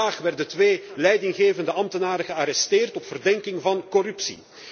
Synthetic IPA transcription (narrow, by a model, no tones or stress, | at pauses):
aːχʋɛrdətʋeːlɛjdɪŋɣeːvəndəʔɑmtənaːɾəɣəaɾɛsteːrtɔpfərdɛŋkɪŋvɑnkɔrʉpsḭ